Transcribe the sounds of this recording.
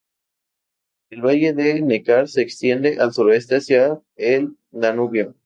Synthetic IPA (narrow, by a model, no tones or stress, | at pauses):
elβaʝe̞ðenekaɾse̞ːkst̪je̞nd̪e̞ʔalsuɾoe̞st̪e̞asja | el | nanuβjo